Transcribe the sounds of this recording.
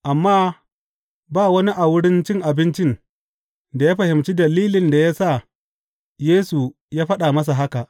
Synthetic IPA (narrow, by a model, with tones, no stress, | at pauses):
ʔa˨mːaː˦ | baː˦˨wɐ˦ni˦ʔa˨wʊ˦ɽɪ˦nt͡ʃɪ˦ŋʔa˨bɪ˦nt͡ʃɪ˦n | da˨jaː˦ɸɐ˨hɪ˨mt͡ʃi˦dɐ˨liː˦lɪ˨nda˨ja˦sa˦˨ | jeː˦su˨ | jaː˦ɸɐ˦ɗa˨mɐ˦s̬a˨ɦa˦ka˨ʔ